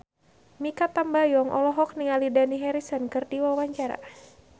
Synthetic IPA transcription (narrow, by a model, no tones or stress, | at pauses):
mikap̪ambajɔŋʔɔ̰lɔɦɔk̚niŋalidaniɦɛɾisənkɨrdiwawaɲt͡ʃaɾa̰